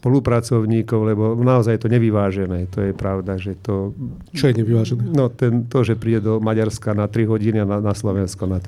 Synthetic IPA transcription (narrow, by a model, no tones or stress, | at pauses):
spɔlupɾat͡sɔʊɲiːkɔʊlɛbɔnaɔzajjɛt̪ɔɲɛʋiʋaːʒɛnɛːt̪ɔjɛpɾaʊd̪aʒɛt̪ɔ | t͡ʃɔjɛɲɛʋiʋaːʒɛnɛnɔt̪ɛnt̪ɔʒɛpɾiːɟɛd̪ɔmaɟaɾskanat̪ɾiɦɔɟiniananaslɔʋɛnskɔnat̪